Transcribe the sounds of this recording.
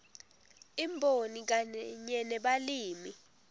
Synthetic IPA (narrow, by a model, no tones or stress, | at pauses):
imbʱonik̬aɲɛnɛɓaliːmi